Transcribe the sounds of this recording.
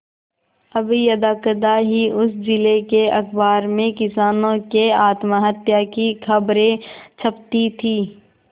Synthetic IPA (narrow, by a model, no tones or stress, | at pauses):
ɐbijɐd̪aːkəd̪aɦiʔʊsd͡ʒɪlekeɐxbaːɾmẽkɪsaːnõkeaːt̪maɦət̪jakikʰɐbɾẽt͡ʃʰɐpt̪it̪ʰiː